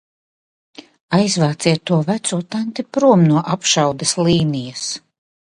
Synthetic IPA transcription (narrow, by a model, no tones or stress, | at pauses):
ajzvaːt̪siɛt̪ːuɔvæt̪suɔt̪ant̪ipɾuɔmnuɔʔapʃawd̪ɛsliːnijas